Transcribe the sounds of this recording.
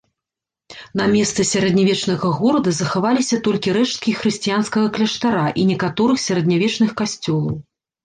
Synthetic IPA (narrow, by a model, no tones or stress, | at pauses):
n̪ɐmʲɛst̪sɨsʲaɾɛd̪nʲavʲɛt͡ʂnɐɣɐɣɔɾɐd̪ɐzɐxavalʲisʲɐt̪ɔlʲkʲiɾɛʂt̪̚kʲixɾɨsʲt͡sʲijanskɐɣɐklʲɐʂt̪aɾaʔinʲɛkat̪ɔɾɨxsʲɐɾɐd̪nʲavʲɛt͡ʂn̪ɨxkasʲt͡sʲɔlˠɐ̰w